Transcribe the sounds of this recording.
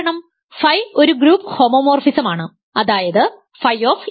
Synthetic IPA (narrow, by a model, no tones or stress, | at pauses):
ɳɐm | fɐjo̞ɾuɡɾuːpːho̞ːmoːmo̞ːrfisɐmaːɳɨ | ɐðaːjɐðɨ | fɐjoːf